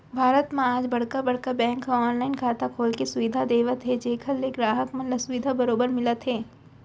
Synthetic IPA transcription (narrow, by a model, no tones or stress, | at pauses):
bʱaːɾət̪mẽaːd͡ʒbɐɽ̤kabɐɽ̤kabɛ̃ːŋkːaɔːnlaːɪnkʰaːt̪akʰoːlkesʊʋɪd̪ʱad̪eːʋət̪ɦed͡ʒeːkʰəleːkɾaːɦəkmɐnləsʊʋid̪ʱabɐɾoːbəɾmɪlət̪ɦeː